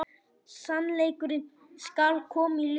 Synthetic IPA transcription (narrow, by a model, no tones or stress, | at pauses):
sanleːjkʏɾɪn | skalkʰɔːmil